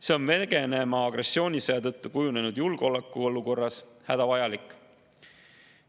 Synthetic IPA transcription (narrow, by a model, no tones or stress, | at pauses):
se̞onve̞ɡ̥e̞ne̞mɑɑɡre̞sːio̞ːnʲiseɑt̪ɤt̪ːukujune̞nud̪̥julɡ̥o̞lekːˑuo̞luko̞rːɑshæd̪̥ɑvɑjɑlikːˑ